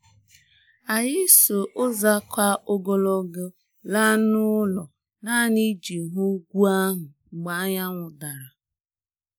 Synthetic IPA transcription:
a˨jɪ˦so˨ʔʊ˦za˦kʷa˦ʔo˦ɡo˦lo˦ɡʊ˦ | la˦nʊ˦lɔ˨ | na˦ni˦d͡ʒi˨ɦu˦ɡʷu˦a˦ɦʊ˨ŋ͡m̩˨ɡ͡ba˦ɲa˦ŋʷʊ˨da˨ɾa˨

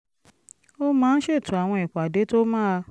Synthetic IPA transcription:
o˦mãː˦n̩˦ʃe˦˨tũ˨˦a˨w̃ɔ̃˧ɛ˨k͡pa˨de˨˦to˦mãː˦˧

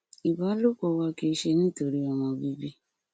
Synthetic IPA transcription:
i˨ba˨˦lo˦kɔ˨˧wa˧ki˧ʃe˧nĩ˦˨to˧ɾi˦ɔ˨w̃ɔ̃˧bi˦bi˦

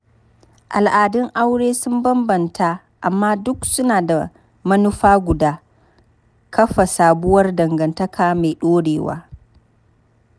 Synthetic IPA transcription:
ʔa˨lʔaː˨dɪ˦ŋʔa˦wɽeː˦sʊ˦mbɐ˦mbɐ˨ntʰa˦ | ʔa˨mːaː˦dʊ˦ksʊ˦naː˨da˨ | mɐ˦nʊ˦ɸaː˦ɡʷʊ˨daː˦ | kɐ˦ɸa˨saː˨bʊ˦wɐ˦rdɐ˨ŋɡɐ˨ntɐ˦kʰaː˦meː˨ɗoː˦ɽeː˨wa̰ː˦

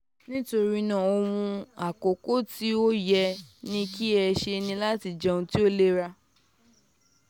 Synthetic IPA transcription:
nĩ˦to˧ɾi˦nãː˨o˧mũ˧a˨ko˨ko˦ti˦o˦jɛ˧nĩ˦ki˦ɛ˧ʃe˧nĩ˧la˦ti˧˨d͡ʒɛ̃˧ũ˧ti˦o˦le˦ɾa˧

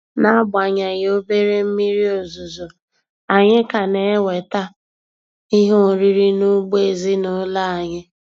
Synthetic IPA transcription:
na˦ɡ͡ba˨ɲa˨ɣo˦be˦ɾe˦m̩˦mi˦ɾi˦o˨zu˨zo˨ | a˨ɲɪ˦ka˨ne˨˦we˨ta˦ | i˦ɦo˦ʊ˨ɾi˦ɾi˦nʊ˦ɡ͡be˨zi˦nʊ˦la˦a˨ɲɪ˦

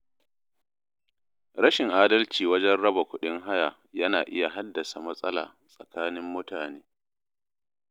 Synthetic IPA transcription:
ɾɐ˦ʃɪ˨ŋʔaː˦dɐ˦lt͡ʃiː˨wɐ˦d͡ʒɛ˦nɽɐ˦ba˨kʷʊ˦ɗɪ˦ŋɦa˦ja˨ | jɐ˦naː˨ʔɪ˦ja˨ɦa˦dːɐ˨sa˨mɐ˦sʼɐ˦la̰ː˨ | sʼɐ˨kaː˦nɪ˦mːʊ˦taː˨neː˦

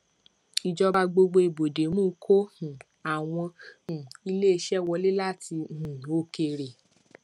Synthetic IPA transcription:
i˨d͡ʒɔ˧ba˧ɡ͡bo˧ɡ͡bo˧i˨bo˨de˨˦mũː˦˨˧kʰo˦hũ˨ | a˨w̃ɔ̃˧hũ˨i˧le˦e˧ʃɛ˦˨wɔ˧le˦la˦˨ti˧hũ˨o˧˦ke˧˨ɾe˨

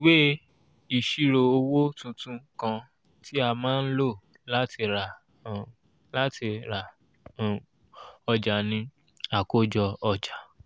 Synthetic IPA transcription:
we˦ | i˨ʃi˨ɾo˧o˧wo˦tũ˧tũ˧kã˧ | ti˦a˧mãː˦n̩˦lo˦˨ | la˦ti˧ɾa˨ | la˦ti˧ɾa˨ | ɔ˧d͡ʒa˨nĩ˧ | a˨ko˦d͡ʒɔ˧ɔ˧d͡ʒa˨

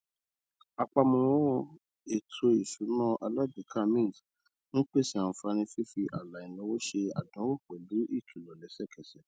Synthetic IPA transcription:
a˧k͡pa˧mɔ̃˧w | e˨tʰo˧i˨ʃu˨˦nɔ̃˦ʔa˧la˦du˨kʰa˦mĩ˦˨s | ñ̩˦k͡pe˦˨sĩ˨˦˨ã˨fa˧ñĩ˧fi˦fi˧ʔa˨la˨ĩ˨lɔ̃˧˦wo˦ʃe˧a̰˨dɔ̃˨˦wo˦˨k͡pɛ˨lu˨˦ʔi˦˨tʰu˨lɔ˨lɛ˨˦sɛ˦˨kʰɛ˨sɛ˨

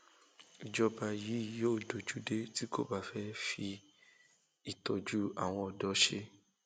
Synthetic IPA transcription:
i˨d͡ʒɔ˧ba˧ji˨˦˨joː˦˨do˨d͡ʒu˨˦de˦ti˦ko̰˦ba˦˨fɛ˦fi˧ | i˨tɔ˨d͡ʒu˦a̰˨w̃ɔ̃˧ɔ˨dɔ˨˦ʃe˧

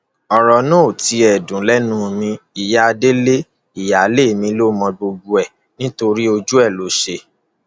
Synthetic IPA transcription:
ɔ˨ɾɔ˨nɔ̃˦˨ti˧ɛ˨dũ˨lɛ˦nũ˦˨mĩ˧i˨ja˦˧de˦le˦ | i˦˨ja˨˦le˦˨mĩ˧˦lo˦mɔ̃˧ɡ͡bo˧ɡ͡bu˧ɛ˨ | nĩ˦to˧ɾi˦o˧d͡ʒu˦ɛ˦˨lo˨˦ʃe˧

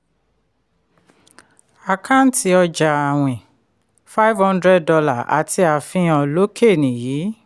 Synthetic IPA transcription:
a˨kʰã˦n̩˦ti˧ɔ˧d͡ʒa˨a˨w̃ɛ̃˨ | fa˦jvhɔ̃˦ndɾɛ˦d̚dɔ˧la˦˨ʔa̰˨tʰi˧a˧fĩ˧˦ɔ̃˧lo˦kʰe˦˨nĩ˨jiː˨˦

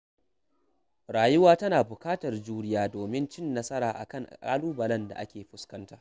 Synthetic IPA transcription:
ɽaː˨jʊ˦waː˦tɐ˦naː˨bʊ˨kaː˦tɐ˨rd͡ʒuː˦ɽɪ˦jaː˦doː˨mɪ˦nt͡ʃɪ˦˨nːɐ˦sɐ˦ɾaː˨ʔa̰˨kɐ˦˨ŋʔʔʼa̰ː˦luː˦bɐ˨lɐ˦nda̰˨ʔa̰˦kʲeː˨ɸʊ˦skɐ˦ntaː˦ʔ

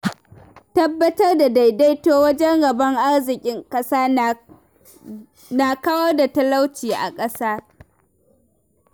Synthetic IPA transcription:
tɐ˦bːɐ˦tɐ˦rda˨da˨jda˦jtoː˦wɐ˦d͡ʒɛ˦ŋɡɐ˨bɐ˦ŋʔa˦rzɪ˨kʲʼɪ˦ŋkʼɐ˦saː˦ | na˨kɐ˦wɐ˦rda˨tɐ˦la˦wt͡ʃiː˨ʔa̰˨kʼɐ˦saː˦

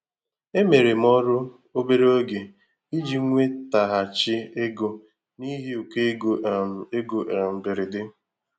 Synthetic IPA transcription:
e˦me˨ɾe˨m˦ɔ˦ɾʊ˦ | o˦be˦ɾe˦o˦ɡe˨ | i˦d͡ʒi˦ŋʷe˦ta˨ɦa˨t͡ʃɪ˦e˦ɡo˨ | ni˦ɦe˦o˨ke˦˨e˦ɡo˨ʔm̩˨bɪ˨ɾɪ˨dɪ˦

